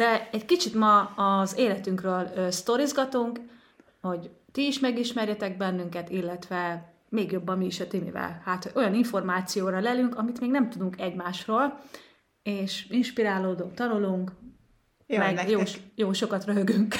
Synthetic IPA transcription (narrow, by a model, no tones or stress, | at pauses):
d̪̥ɛɛckit͡ʃit̪mɒːzeːlɛt̪yŋkrøːløːst̪o̞ɾizɡɒt̪uŋk | ho̞ɟt̪iːʃmɛɡiʃmɛrjɛt̪ɛɡ̚bɛnːyŋkɛt̪ilːɛt̪ʋɛ | meːɡjo̞bːɒmːiːʃɒt̪inḭvɛ̰lhaːt̪hoɟo̞jɒniɱfo̞rmaːt̪sijoːɾɒlɛlyŋkɒmit̪meːɡnɛmt̪ud̪uŋkɛɟmaːʃroːl | eːʃinʃpiɾaːloːd̪oŋt̪ɒnuluŋk | mɛɡjojoːʃokɒt̪røɦøɡyŋk